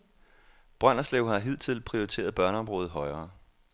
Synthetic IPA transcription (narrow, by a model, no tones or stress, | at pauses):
b̥ʁɶn̰ɐslḛːʊhɑ̈ɦið̰ˠt͡sʰe̝lpʰʁioʁit͡sʰe̝̰ːɐðˠb̥ɶɐnəɒ̽mʁoːð̩ˠɦɒ̽ɪɐː